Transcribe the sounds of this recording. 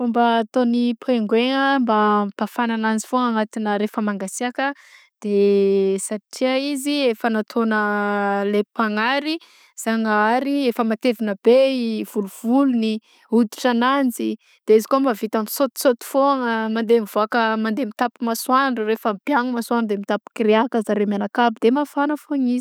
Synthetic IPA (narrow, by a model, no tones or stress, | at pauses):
fombaːt̪onipeŋɡweŋəmbapafananand͡zifoaŋat̪inəɾefəmaŋɡasiakə | d̪̥esaʈ͡ʂiəiziefənat̪ʰonəlepaŋaɾi | z̥aŋəaɾiefəmat̪evinəbev̥uluv̥uluni | ud̪i̥ʈ͡ʂanand͡zi | d̪̥eizi̥koamavit̪ansot̪i̥sot̪u̥foŋəmand̪emivoakəmand̪emit̪apimaswaɳɖ͡ʐurefəmpjaŋəmaswaɳɖ͡ʐud̪emit̪api̥kiɾeakəzaɾemanakabid̪emafanəfoŋiz̥